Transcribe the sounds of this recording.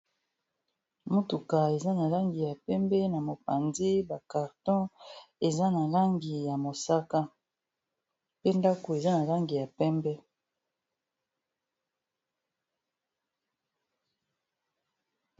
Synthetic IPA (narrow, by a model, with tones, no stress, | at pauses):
mo˦tu˨ka˨e˨za˦na˨la˦ŋɡi˨ja˨pɛ˦mbɛ˦na˨mo˨pa˨nzi˦ba˨ka˨ʁtɔ̃˦e˨za˦na˨la˦ŋɡi˨ja˨mo˨sa˦ka˦ | pe˦nda˦ko˨e˨za˦na˨la˦ŋɡi˨ja˨pɛ˦mbɛ˦